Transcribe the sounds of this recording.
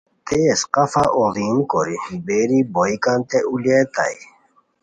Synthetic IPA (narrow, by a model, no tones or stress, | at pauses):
t̪esqɐfaʔoziːnkoɾibeɾiboikant̪eulet̪a̰i